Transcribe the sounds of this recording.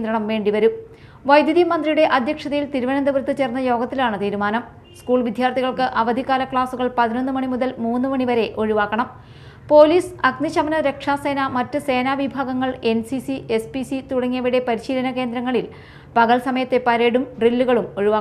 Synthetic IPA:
nd̪ɾɐɳɐmʋe̞ːɳɖiʋɐɾum | ʋɐjd̪ʱjɐðimɐnd̪rijuɽe̞ʔɐd̪ʱjɐkʂɐðɐjilt̪iɾuʋɐnɐnd̪ɐʋɾɐt̪ːɨt͡ɕe̞ːrnːɐjo̞ːɡɐt̪ːilaːɳɨt̪iːɾumaːnɐm | skuːɭʋid̪ʱjaːrt̪ʰiɣɐɭkɨʔɐʋɐd̪ʱikaːlɐkɭaːsuɣɐɭpɐðinonːɨmɐɳimuðɐlmuːnːɨmɐɳiʋɐɾe̞ʔo̞ɻiʋaːkːɐɳɐm | po̞ːliːsɐɡniɕɐmɐnɐɾe̞kʂaːseːnamɐtːɨse̞ːnaːʋibʱaːɡɐŋːɐɭe̞nsisiʔe̞spisit̪uɽɐŋːijɐʋiɽe̞pɐɾiɕiːlɐnɐkeːnd̪ɾɐŋːɐɭil | pɐɣɐɭsɐmɐjɐt̪ːe̞pɐɾeːɽumɖilːuɣɐɭumo̞ɻiʋaː

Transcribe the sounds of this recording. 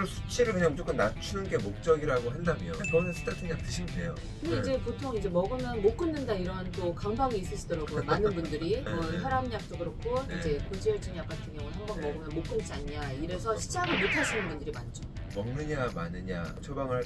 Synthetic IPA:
ɯɭsʰut͡ɕʰiɾɯɭkɯɲaŋt͡ɕ͈ok͈ʰɯmnat͡ɕʰunɯnɡe̞mok̚t͡ɕ͈ʌɡiɾaɡoɦandamjo̰kʌnɯnsʰu̥tʰatʰɯaŋtɯɕʰindḛjo | kɯniid͡ʑe̞potʰoŋid͡ʑe̞mʌɡɯnɯnmok͈ɯnːɯndaiɾʌnt͈okaŋbaŋiːs͈ɯɭɕʰidʌɾaɡomanɯnbundɯɾiʌsʰaɾamɲat͈oɡɯɾʌkʰoid͡ʑe̞kod͡ʑijʌɭt͡ɕ͈ʰɯŋak͈atʰɯŋjʌŋosʰaŋɡaŋmʌɡɯnɯnmok͈ɯnt͡ɕ͈aɲːaiɾe̞sʰʌɕʰi̥t͡ɕ͈aɡɯɭmotʰaɕʰinɯnbundɯɾimand͡ʑo | mʌŋnɯɲama̰nɯɲa̰t͡ɕʰobaŋɯɭha

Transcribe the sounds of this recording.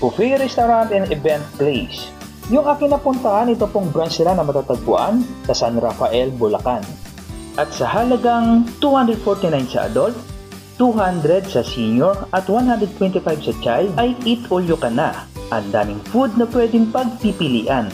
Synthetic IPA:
pʊfijɾɛst̪oɾant̪ɛnɛvɛnt̪̚plejs | jʊŋakɪnɐpʊnt̪ɐhanɪt̪opoŋbɾɐnsɪlanɐmɐt̪aːt̪ɐɡ̚bʊ̰ʔansɐsanɾafɐʔɛlbʊlɐkan | ʔɐt̪sɐhɐlɐɡaŋt̪uhand̪ɾɛd̪̚foɹt̪ɪnajnsɐ̰ʔɐ̰d̪olt̪̚ː | uɦand̪ɾɛd̪̚sɐsiɲoɹʔɐt̪wanɦãnd̪ɾɛd̪t̪wɛnt̪ɪfajbsɐt͡ʃajld̪ʔɐjʔit̪ʔoljokɐnaʔɐnd̪a̰ːmɪŋfud̪̚nɐpwɛd̪ɪŋpɐɡ̚pipɪlḭʔɐn

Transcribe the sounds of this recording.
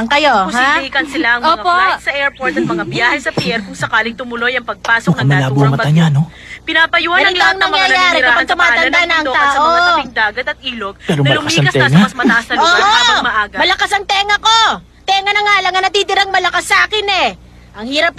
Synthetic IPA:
ɐŋkɐjo̞ʊshaikɐnsɪlaɐŋʔoːaposɐʔɛɹpoɹt̪ɐt̪̚mɐŋabjaːhɛsɐpiɛɾkʊŋsɐkaːlɪŋt̪ʊmʊlo̞jɐŋpɐɡ̚paːsook̪ɐmɐlaːbumɐt̪ɐɲano | pɪnapɐjuːhɐnnɐŋɐɐŋnɐŋjajaːɾɛapɐsɐmaːt̪ɐnd̪anɐɐot̪aːɐʔoɪŋd̪aːɡɐt̪ɐt̪̚iːloɡ̚paːlɾomɐlʊmasɐŋɐst̪ɛɐŋɐmɐsmɐt̪ɐʔɐsnɐloomɐʔaːɡɐmɐlɐkasɐŋt̪ɛːŋɐko̞ | t̪ɛːŋɐnɐŋalɐŋɐnɐt̪iːt̪ɪɾɐŋmɐlɐkasːaːkɪnɛ | ʔɐŋhiːɾɐp̚

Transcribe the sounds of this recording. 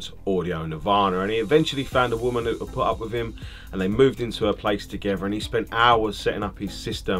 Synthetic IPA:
z | ɔːɾiəʊnəvɑːnəɹə̃niɨvɛ̃nt͡ʃl̩ˠifãʊ̃ndəwʊmə̃nʉʔəpʰʊtʌ̰pwɪð̥ɪ̃m | ə̃nðeɪmʉːvdɪ̃ntʰuəpʰl̥eɪstʰəɡɛðəɹə̃nispɛ̃ntaʊəz̥sɛtɪ̰̃ŋʌphɪz̥sɪstə̃

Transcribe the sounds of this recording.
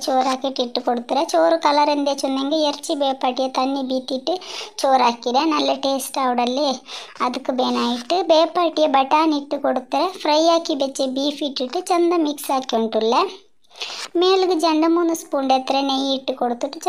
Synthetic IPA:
t͡ɕo̞ːɾaːkːiʈːiʈːɨko̞ɽut̪ːiɾɐt͡ɕo̞ːrɨkɐlɐrend̪et͡ɕːonːeŋɡilerit͡ɕːibe̞ːpːaːʈːijɐt̪ɐnːebiːt̪ːiʈːɨt͡ɕo̞ːɾaːkːiɾɐnɐlːɐʈe̞ːsʈaːʋiɽɐlːeɐðukːɨbeːnaːjiʈːɨbeːpːaːʈːijɐbɐʈːaːniʈːɨko̞ɽut̪ːiɾɐfrɐjaːkːiʋet͡ɕːɨbiːfiʈːiʈːɨt͡ɕend̪ɐmiksaːkːioɳʈːulːɐ | me̞ːlɣɨd͡ʑɐɳɖɐmuːnɨspuːɳɖet̪ːiɾɐnejiʈːɨko̞ɽut̪ːuʈːɨt͡ɕ

